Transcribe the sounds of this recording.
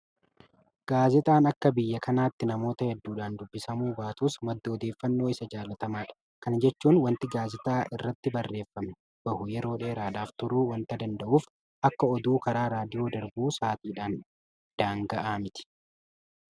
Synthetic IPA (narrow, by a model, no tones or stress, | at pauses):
ɡ̥aːzɪt̪ʼaːnɐkːɐbɪjːɐkʰɐnaːt̪ːɪnɐmo̞ːt̪ɐhɛd̪ːuːᶑaːnd̪ʊbːɪsɐmuːbaːt̪uːsmɐd̪ːoɔd̪eːfːɐnːo̞ːɪsɐd͡ʒaːlɐt̪ɐmaːᶑɐ̥ | kɐnd͡ʒɛt͡ʃːuːnwɐnt̪ɪɡaːzɪt̪ʼaːʔɪrːɐt̪ːɪbɐrːe̞ːfːɐmɛ̥ | b̥ɐhʊjɛɾo̞ːᶑeːɪɾaːd̪aːft̪ʊɾuːwɐnt̪ɐd̪ɐnd̪ɐʔuːf | ʔɐkːɐɔd̪uːkɐɾaːɾaːd̪ɪjo̞ːd̪ɐɾbuːsaːt̪iːᶑaːn | d̪̥aːŋɡɐʔaːmɪt̪ɪ̥